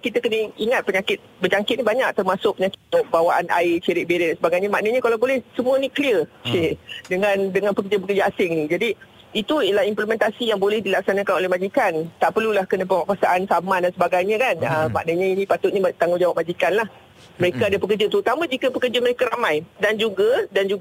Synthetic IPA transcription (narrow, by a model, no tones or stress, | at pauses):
kit̪akənəiŋat̪̚pəɲakɪt̪̚bəd͡ʒaŋkɪt̪̚nibaɲak̚t̪ərmasʊk̚pəɲakɪ̥t̪ːʊʔ̚bawaʔana̰ɪt͡ʃəɾɪk̚beɾɛdansəbaɡajɲamaʔnəɲəkalawbolɛhsəmũənikliərsedəŋãndəŋanpəkərd͡ʒap̬əkərd͡ʒaasɪŋnid͡ʒadi | it̪uiəlahimpləmɛ̃nt̪asijaŋbolɛhdilak̚sanakanolɛhmad͡ʒikant̪aʔpərlulahkənãpəŋakwasaʔansamãdansəbaɡajɲakanəma̰ʔnəɲainĩpat̪ʊt̪̚ɲit̪aŋʊd͡ʒawap̚mad͡ʒikanlah | məɾekaadapəkərd͡ʒat̪əɾut̪amãd͡ʒikəpəkərd͡ʒaməɾekaɾamãjdand͡ʒuɡadand͡ʒuɡ